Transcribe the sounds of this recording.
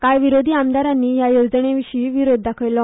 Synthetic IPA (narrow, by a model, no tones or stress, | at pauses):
kajʋiɾod̪ʱiːamd̪aɾanːiːjajod͡zɳeʋiɕiːʋiɾod̪ʱːakʰəɭlɔ